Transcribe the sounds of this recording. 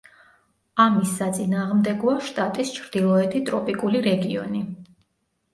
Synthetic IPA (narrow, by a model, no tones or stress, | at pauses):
amisːat̪sʼinaːʁmd̪ɛɡɔaʃt̪ʼat̪ʼist͡ʃʰɾd̪ilˠɔɛt̪ʰit̪ʼɾɔpʼikʼuliɾɛɡiɔ̰ni